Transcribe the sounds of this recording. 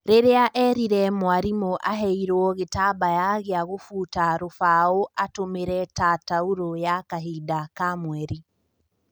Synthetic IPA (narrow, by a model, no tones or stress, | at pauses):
ɾeɾeaʔɛɾiɾɛmwaɾimoʔaɦɛiɾwɔɣetabajaɣeaɣofuːtaɾofaoʔatomeɾɛtatauɾojakaɦidakamwɛɾi